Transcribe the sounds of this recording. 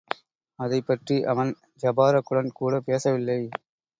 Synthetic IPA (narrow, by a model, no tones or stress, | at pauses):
ɐðɐɪpːɐʈriʔɐʋɐn | d͡ʒɐbaːɾɐkːʊɽɐnkuːɽɐpeːsɐʋɪlːɐɪ